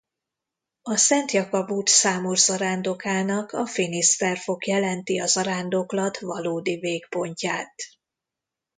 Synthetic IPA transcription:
ɒsɛnt̪jɒkɒbuːt̪saːmurzɒɾaːnd̪okaːnɒkɒfinist̪ɛrfo̞kjɛlɛnt̪iɒzɒɾaːnd̪oklɒt̪vɒloːd̪iveːkpo̞ɲcaːt̪

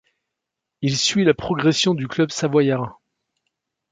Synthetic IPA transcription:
ilsɥilapχɔɡʁɛsjɔ̃d̪yklœbsavwajaʁɛ̃

